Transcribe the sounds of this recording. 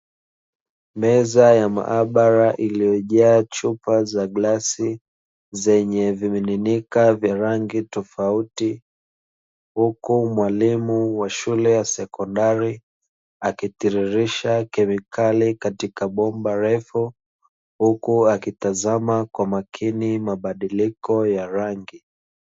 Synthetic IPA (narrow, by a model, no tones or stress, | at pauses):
mɛzajama̰ʔaɓaɾaʔilijɔʄaːt͡ʃupazaɡlasi | zɛɲɛvimininikavjaɾaŋɡitɔfauti | hukumwalimuwaʃulɛjasɛkɔndaɾi | akitiɾiɾiʃakɛmikʰalikatikaɓɔmbaɾɛfu | hukuakitazamakwamakʰinimaɓaɗilikɔjaɾaŋɡi